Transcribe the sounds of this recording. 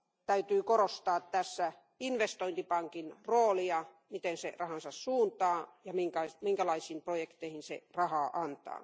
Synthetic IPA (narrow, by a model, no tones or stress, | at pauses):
t̪æyt̪yːkorost̪ɑːt̪t̪æsːæ | inʋest̪oint̪ipɑŋkinroːliɑ | mit̪ensḛrɑhɑnsɑssuːnt̪ɑːjɑmiŋkɑimiŋkælɑisiːmprojekt̪eihinsḛrɑhɑːʔɑnt̪ɑ̰ː